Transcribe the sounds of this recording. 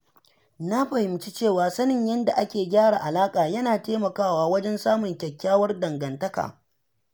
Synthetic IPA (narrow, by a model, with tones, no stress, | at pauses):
na˦ɸɐ˨hɪ˨mt͡ʃi˦t͡ʃeː˦˨waː˨sɐ˦nɪ˨ɲjɐ˦nda˨ʔa˦kʲeː˨ɡʲaː˦ɽaː˨ʔa˨laː˦kʼaː˨jɐ˦naː˨teː˦mɐ˨kaː˦˨waː˦wɐ˦d͡ʒɛ˦nsaː˦mʊ˨ŋkʲɐ˨kʲːaː˦wɐ˦rdɐ˨ŋɡɐ˨ntɐ˦ka̰ː˨